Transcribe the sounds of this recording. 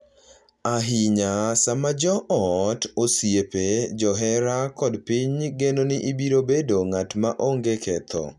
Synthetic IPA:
aɦiɲasamad͡ʒɔʔɔtosjeped͡ʒɔɦɛɾakɔdpiɲɡenonɪʔibiɾobedoŋatmaʔoŋɡekʰɛt̪ʰɔ̰

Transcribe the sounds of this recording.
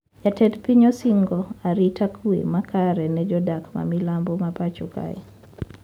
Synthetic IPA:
jatɛtpiɲɔsiŋɡɔaɾitʰakʰuḛmakʰaɾɛnɛd͡ʒɔdakma̰milambɔmapat͡ʃuka̰ḭ

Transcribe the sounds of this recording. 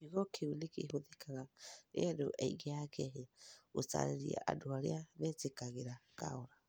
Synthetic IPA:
iɣɔkewenekehoðekaɣanḛɛdoʔɛiɣeakɛɦeaot͡sa̰ɾeɾiɛ̰ʔa̰doaɾḛaβɛtekaɣeɾaka̰oɾa

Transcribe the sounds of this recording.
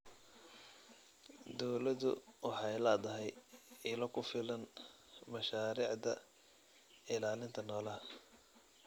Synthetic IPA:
d̪ɔwlɐðʊ̰wɑħɑjlɐːd̪ɐɦɛjɪlɔkʰʊfɪlɐn | mɐʃaːɾiːʕd̪ɐ̰ | ɪlaːlɪnt̪ʰɐnɔːlɐɦ

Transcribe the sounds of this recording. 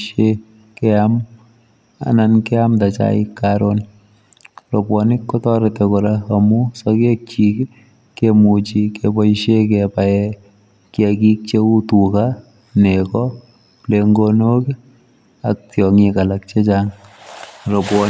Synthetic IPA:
ʃe | kɛam | a̰nankɛamtat͡ʃa̰ḭkːaɾon | robwɔnɪkːɔtɔɾetɛkɔɾaamusɔkek̚t͡ʃik | kemut͡ʃikebɔiʃekɛpaɛ | kjakik̚t͡ʃeutuka | nekɔ | pleŋɡonoki | a̰k̚tjɔŋikalak̚t͡ʃet͡ʃaːŋ | ropwɔ

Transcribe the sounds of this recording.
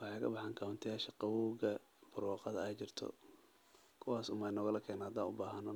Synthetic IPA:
wɑħɑkʰɐ̰bɑħɑːŋkʰawʊnt̪ʰɐjaːʃɐqɑwɔɣɐ | b̥ʊrwɑːqɑðɐɛjt͡ʃɪrt̪ʰɔ̰ | kʰʊwɑːsʊmɐnɔːɣɐlɐkʰɛːnahad̪aːnʊbaːɦɐnɔ

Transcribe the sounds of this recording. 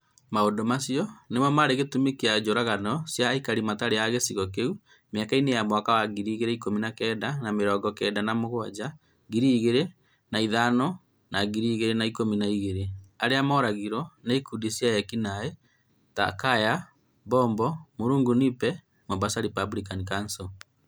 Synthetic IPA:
maodomasiɔnemɔmaɾeɣetumekiad͡ʒoɾaɣanɔsjaikaɾimataɾeaɣesiɣɔk̬eu | meakainejamwakawaɣiɾiːɣeɾeikominakɛdanameɾɔɡɔkɛdanamoɣwad͡ʒa | ɣiɾiɣeɾe | naiðanɔ | naɣiɾiɣeɾenaikominaiɣeɾeaɾeamɔɾaɣiɾɔneikudisjajɛkinaɛ | ta̰kaja | bɔːmbɔmoɾuːŋɡunipɛ | mabasaɾipablikanikansɔ

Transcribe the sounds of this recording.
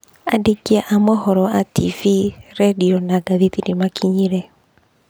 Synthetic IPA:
adikiaʔamɛhɔɾɔatʰiviɾɛdiɔnaɡaðitidimakʰiɲiɾɛ

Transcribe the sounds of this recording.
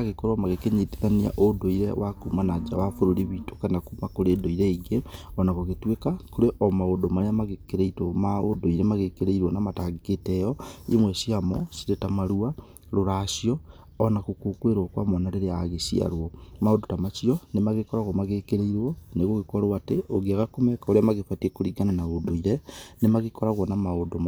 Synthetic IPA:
aɣekoɾomaɣekeɲete̥ðania̰ʔodoiɾewakumanad͡ʒa̰wafoɾoɾiβito̥kanakumakoɾeːdoiɾeiɡeɔnaɣoɣetwekakoɾeʔɔmaodomaamaɣekeɾeitomaodoiɾemaɣekeɾeiɾwɔnamataɣeketɛjɔḭmwɛsiamɔsiɾetamaɾua | ɾoɾaʃijɔː | nakokokweɾokwamonaɾeɾeaɣesia̰ɾwɔmaodotamasiɔnemaɣekɔɾaɣwɔmaɣekeɾeiɾwɔneɣoɣekɔɾwateʔoɣeaɣakomekaoɾeamaɣefatiekoɾiɡananaodoiɾenemaɣekɔɾaɣwɔnamaodoma

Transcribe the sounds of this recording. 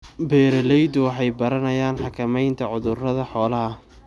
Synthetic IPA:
bɛːɾɛlɛjd̪ʊwɑħɑjbɐɾɐnɐjaːnħɑkʰɐmɛjnt̪ʰɐʕʊðʊrɐðɐħɔːlɐɦɐ

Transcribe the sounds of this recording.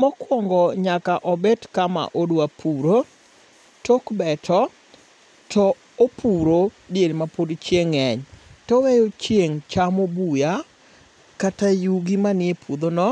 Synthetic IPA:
mɔkwɔŋɡɔɲakaʔɔbɛtkama̰ʔodwapʰuɾo | tokbɛtʰɔ | tʰɔ | opʰuɾo | deɾmapodt͡ʃjeŋɛɲtɔwejot͡ʃjeŋt͡ʃamobuja | katajuɡimanɪepʰud̪onɔ

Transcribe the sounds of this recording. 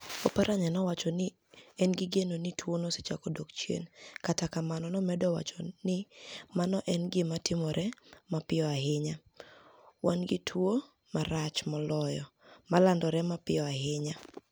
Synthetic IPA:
opaɾʔaɲanɔwat͡ʃɔnɪ | ɛnɡɪɡenonitʰwonose̥t͡ʃakodokt͡ʃjḛnkatakamanɔnɔmɛdɔwa̰t͡ʃɔnɪmanɔʔɛnɡɪmatɪmɔɾʔɛmapɪɔaɦɪɲa | wanɡɪtʰwo | maɾat͡ʃmɔlɔjɔmalandɔɾɛmapɪɔaɦɪɲa

